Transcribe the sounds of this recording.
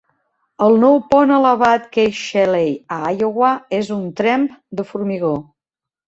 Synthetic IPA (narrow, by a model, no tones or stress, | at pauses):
əlˠnɔwpɔnələβat̪kejʃɛlejaajoɣwaezunt̪ɾɛmpd̪əfuɾmiɣo